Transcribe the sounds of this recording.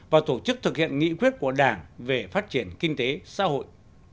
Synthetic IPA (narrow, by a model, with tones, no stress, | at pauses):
vaː˨˩t̪o˧˩t͡ɕɨ˦˥k̚t̪ʰɨ˨˩k̚hḭ˧˨ənŋḭ˧˥kwi˦˥ət̚ku˧˩əɗaː˧˩ŋve˨˩faː˦˥t̚t͡ɕi˧˩ənki˧ŋ̟t̪e˨˦sa̰ː˧˥ho̰˧˨jʔ